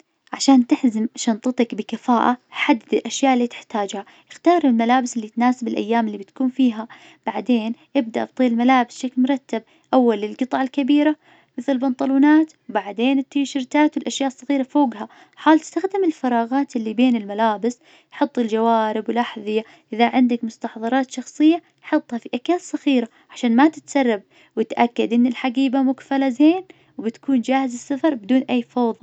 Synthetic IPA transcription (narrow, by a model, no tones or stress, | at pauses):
ʕaʃaːnt̪ɪħzɪmʃɑnt̪ˤɨt̪ˤɑkbɪkafaːʔaħad̪ːɪd̪ɪlʔaʃjaːʔɪlːiːt̪ɪ̥ħt̪aːd͡ʒha | ʔɪxt̪ɑːɾˤɪlmalaːbɪsɪlːit̪naːsɪbɪlʔa̰jːaːmɪlːibɪt̪kuːnfiːɦa | b̥aʕd̪eːnʔɪb̚d̪aʔɪb̚t̪ˤiːɪlmalaːbɪsʃaklmʊɾˤɑt̪ːab̚ | ʔawːalɪlɡɨt̪ˤɑʕɪlkabiːɾa | mɪθɪlbɑnt̪ˤɑluːnaːt̪wbaʕd̪eːnɪt̪ːiːʃɪɾt̪aːt̪wɪlʔaʃjaːʔsˤːɑɣiːɾafoːɡɦa | ħaːlt̪ɪ̥st̪axd̪ɪmɪlfɑɾˤɑːɣɑːt̪ʔɪlːibeːnɪlmalaːbɪs | jħɑt̪ˤːɪld͡ʒawaːɾɪbwɪlʔaħðˤɨja | ʔɪðaʕɪnd̪akmʊst̪ɑħðˤɑɾˤɑːt̪ʃɑxsˤɨjːa | jħɑt̪ˤːhɑfiʔakaːtsˤːɑɣiːɾa | ʕaʃaːnmat̪ɪt̪sɑrˤːɑb̚ | wɪt̪ʔakːad̪ʔɪnːɪlħaɡiːbamʊkfalazeːn | wbɪt̪kʰuːnd͡ʒaːhɪzɪsːafɑɾˤbɪd̪uːnʔajːfɑːðˤ